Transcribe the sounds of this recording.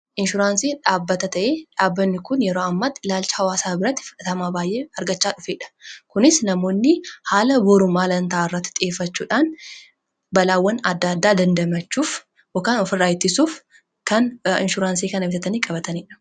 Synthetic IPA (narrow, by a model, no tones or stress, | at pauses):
ʔɪnʃʊɾaːnsiːᶑaːbːɐt̪ɐt̪ɐʔeːᶑaːbːɐnːɪkʊnjɛɾoːɐmːɐt̪ːɪlaːlt͡ʃɐ̥hɐwaːsaːbɪɾɐt̪ːɪfɐɐt̪ɐmaːbaːjʔeːɐɾɡɐt͡ʃːaːᶑʊfeːᶑɐ̥kʊnɪsnɐmo̞ːnːɪhaːlɐboːɾʊmːaːlɐnt̪aʔːɪrːɐt̪ːɪ̥t̪ʼɪeːfːɐt͡ʃːuːᶑaːn | bɐlaːwːɐnɐd̪ːɐd̪ːaːd̪ɐnd̪ɐmɐt͡ʃːuːf | okaːnɔfɪrːaːjɪt̪ːɪsuːf | kɐnɪnʃʊɾaːnsiːkɐnɐmɪt̪ɐt̪ɐniːkʼɐbɐt̪ɐniːᶑɐ̥